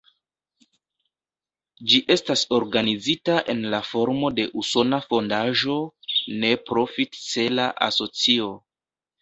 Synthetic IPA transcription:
d͡ʒiʔe̞staso̞ɾɡanizitaʔe̞nlafo̞ɾmo̞de̞ʔuso̞nafo̞ndaʒo̞ne̞pɾo̞fitt͡se̞laʔa̰so̞t͡sio̞

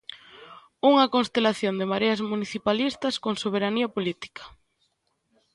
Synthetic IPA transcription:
uŋɐkonst̪elaθjond̪emaɾeazmuniθipalist̪ɐskoŋsoβ̞eɾaniɐpolit̪i̥kḁ

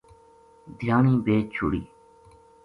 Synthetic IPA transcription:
d̪ʱjaːnĩːbeːt͡ʃʰʊ̰ɽḭː

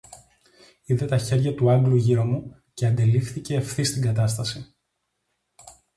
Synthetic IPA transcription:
iðe̞t̪ɐçe̞ɾʝɐt̪uɐŋɡluʝiɾomu | ce̞ɐnd̪e̞lifθice̞ːfθist̪iŋɡɐt̪ɐst̪ɐsi

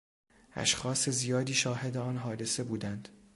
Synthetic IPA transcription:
ʔæ̰ʃxɒːse̞zijɒːd̪iːʃɒːhe̞d̪eɒːnɦɒːd̪e̞se̞buːd̪ænd̪̥

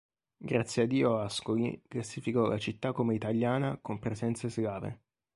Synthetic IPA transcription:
ɡɾat̪sjead̪ːiːoaskolḭklasifikɔla̰t͡ʃit̪ːakomeit̪aljaːnakompɾezɛnt̪sesɡaːvḛ

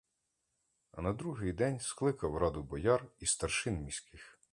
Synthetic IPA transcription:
ɐ̰nɐd̪ɾuɦɪjd̪ɛnʲsklˠɪkɐwɾɑd̪ʊbɔjɑrist̪ɐrʃɪnmʲisʲkɪx

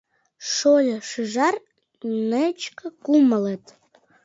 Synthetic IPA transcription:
ʃolʲəʃɯʒɑr | nət͡ɕkəkuməlet̪

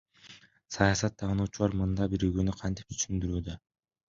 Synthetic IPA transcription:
sɑjɑsɑt̪ʰːɑʁnuːt͡ʃulˠɑɾmɯnd̪ɑbiɾyɡønyqʰɑnt̪i̥p̚t̪ʰy̥ʃynd̪yɾyːd̪ø

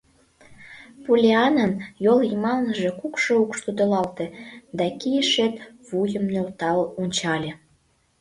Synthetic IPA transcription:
pulʲeɑnənjolimɑlnəʒe̽kukʃoukʃt̪ud̪olɑlt̪ĕd̪ɑkijəʃet̪ | βujəmnølt̪ɑlonʲt͡ɕɑlʲe

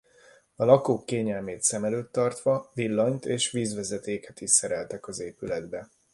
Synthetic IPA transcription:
ɒlɒkoːkːeːɲɛlmeːt̪sɛmɛløːt̪ːɒrt̪ʋɒvilːɒɲt̪eːʃʋiːzʋɛzɛt̪eːkɛt̪iʃsɛɾɛlt̪ɛkɒzeːpylɛd̪bɛ

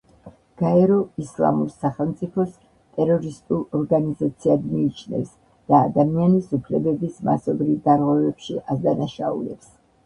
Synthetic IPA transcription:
ɡ̥aɛɾɔislˠa̰muɾsaχɛlˠmt̪sʼipʰɔs | t̪ʼɛɾɔɾist̪ʼulˠɔɾɡanizat̪sʰiad̪miːt͡ʃʰnɛ̰fs | d̪̥aːd̪amianisupʰlɛbɛbisma̰sɔbɾivd̪aɾʁwɛvɛpʃiʔazd̪anaʃaṵlɛps

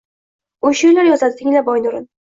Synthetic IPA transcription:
oʃʊjlaɾjɒzat̪ːɪŋʲlabɒjnʊɾɪn

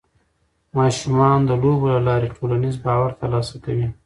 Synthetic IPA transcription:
mɑʃumɑnd̪əlobolalɑɾeʈʰolanizbɑwaɾt̪alɑsak̪awi

